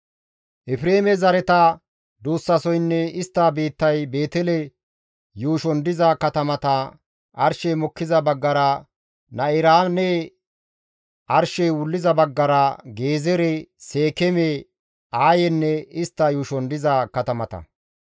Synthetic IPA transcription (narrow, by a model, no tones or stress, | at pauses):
ʔɪfɪɾeːmɛzɐɾɛt̪ɐ | d̪uːsːɐsɔjnːɛɪst̪ːaːbeːt̪ːɐjbe̞ːt̪ɛlɛ | juːʃɔnd̪ɪzɐkɐt̪ɐmɐt̪ɐ | ʔɐɾʃɛjmɔkːɪzɐbɐɡːɐɾɐ | nɐɪɾaːneː | ʔɐɾʃɛjwʊlːɪzɐbɐɡːɐɾɐɡe̞ːzɛɾɛse̞ːkɛme | aːjɛnːɛɪst̪ːɐjuːʃɔnd̪ɪzɐkɐt̪ɐmɐt̪ɐ̰